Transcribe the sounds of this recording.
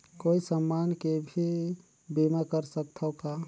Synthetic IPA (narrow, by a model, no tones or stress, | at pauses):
koːisəmːaːnkebʱi | biməkəɾsək̚t̪ʰəka